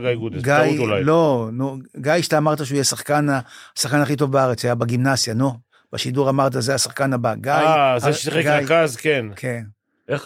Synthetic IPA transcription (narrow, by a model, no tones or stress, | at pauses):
ɡajɡud̪eɡajut̪ulajlo̞nuɡajʃe̥t̪aːmaʁt̪̬aʃeuːjesaχkanaasaχkanaχit̬o̞vbaaʁet͡sajabeɡimnazjano | b̥aʃiduʁamaʁt̪̬azeasaχkanabaɡaazesiχekɡaajkazkenkʰen | e